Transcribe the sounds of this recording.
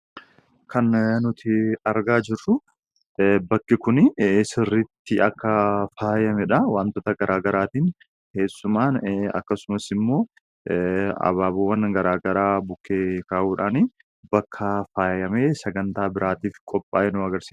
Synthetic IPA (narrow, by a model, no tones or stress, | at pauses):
kʰɐnnʊt̪ʰɪɐɾɡaːd͡ʒɪrːʊ | bɐkːɪkʊnsɪrːɪt̪ːɪɐkːɐfaːjɐmɛᶑɐwaːnt̪oːt̪ɐɡɐɾʔaːɡɐɾaːt̪iːn | ke̞ːsːʊmaːnɐ̰kːɐsʊmɐsɪmːo̞ː | ɐ̰βaːbuwːɐnɡɐɾaːɡɐɾaːbʊkːeːkaːʔuːᶑaːni | bɐkʰːɐfaːjɐmeːsɐɡɐnt̪aːbɪɾʔaːt̪iːfkʼɔpʼːaːjɛnʊɐɡɐɾsi̥ː